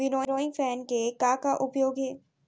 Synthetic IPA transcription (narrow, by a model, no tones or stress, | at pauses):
ɪnoːɾoːĩfɛːnkekaːkaʔʊpjoːɡɦɛː